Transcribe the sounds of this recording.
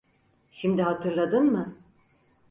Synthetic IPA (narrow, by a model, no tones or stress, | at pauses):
ʃimd̪iɦat̪ʰɯɾlˠad̪ɯnmɯ